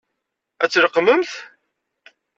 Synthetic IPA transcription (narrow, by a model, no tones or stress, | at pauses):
æt͡sːɾəqːməmθ